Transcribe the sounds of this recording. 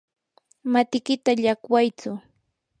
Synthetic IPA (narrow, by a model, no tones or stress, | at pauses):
mat̪ɪkɪt̪aʎakwajt͡sʊ